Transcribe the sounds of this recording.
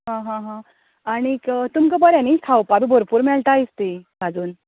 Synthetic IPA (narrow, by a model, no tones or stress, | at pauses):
ɦãɦãɦã | aɽ̃ikt̪umkəbəɾjanikʰawpabibʱoɾpuːɾmɛɭʈ̪aist̪eɡad͡zuːn